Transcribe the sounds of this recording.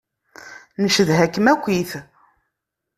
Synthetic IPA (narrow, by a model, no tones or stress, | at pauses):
nəʃəðɦækːəmækʷːiθ